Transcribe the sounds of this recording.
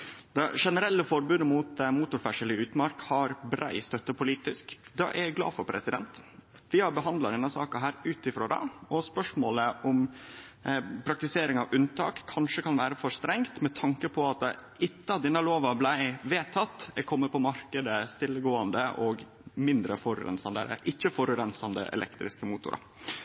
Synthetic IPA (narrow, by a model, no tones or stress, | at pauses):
d̪ɑʂɛnəɾɛlːəfɔɾbʉnmʊːt̪muːt̪ʊɾfæʂəlɪʉːt̪mɑɾkhɑɾbɾæ̰ɪst̪œt̪ːəpʊliːt̪ɪskd̪ɑ̰ʔæɾæɡlɑ̰ːfɔɾpʰɾɛ̰sɪd̪ɛ̰nt̪ | ʋɪhɑɾbəɦɑnd̪lɑd̪ɛnːɑsɑːkɑɦæːɾʉːt̪ɪfɾoːd̪ɛ̰ɔspœʂmoːləʔʊm | pʰɾɑk̚t̪ɪseːɾɪŋɑʋʉnt̪ʰɑ̰ːkʰːɑnʂəkɑnʋæːɾəfɔʂt̪ɾɛŋt̪mɛt̪ʰɑŋkəpʰɔɑt̪ | ɪt̪ːəɑt̪d̪ɛnːəloːʋɑblæɪʋeːt̪ʰɑt̪ːɛkʰɔmːət̪pʰɔmɑɾkəd̪əst̪ɪlːəɡoːɑnd̪əʔɔɡ | mɪnd̪ɾəfɔɾʉ̰ɾɛ̰nsɑnd̪æ̰ɾə̰ʔɪçːəfɔɾʉɾɛnsɑnd̪ə̰ʔɛ̰lɛ̰kt̪ɾɪ̰skəmuːt̪ʊ̰ɾʔɑ̰